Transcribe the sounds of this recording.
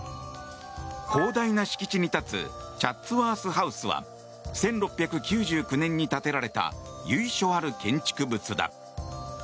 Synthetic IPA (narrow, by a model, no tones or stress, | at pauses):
kʰo̞ːd̪ainaɕi̥kʲi̥t͡ɕiɲ̟it̪at͡sɨ̰t͡ɕat͡sːɨβaːsɨɦaɯ̟sɨβa̰ | sẽ̞nɾo̞pʲːjakɯ̟kʲɨːʑɨːkɯ̟nẽ̞ɲ̟ːit̪at̪e̞ɾaɾe̞t̪a̰jɯ̟iɕo̞ːaɾɯ̟kẽ̞ɲ̟t͡ɕi̥kɯ̟bɯ̟t͡sɨd̪a̰